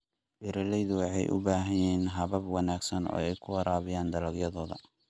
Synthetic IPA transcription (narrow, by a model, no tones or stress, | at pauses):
bɪɾɐlɛjðʊwɑħɑ̰jʔʊ̰baːɦɐjɛːnɦɐβɐbwɑnaːɡsɐnɔ̰ːɛjkʰʊwɐɾaːβɪjaːnd̪ɐlɐɡjɐðɔːðɐ